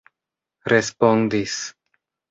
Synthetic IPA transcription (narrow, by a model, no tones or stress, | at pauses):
ɾespond̪is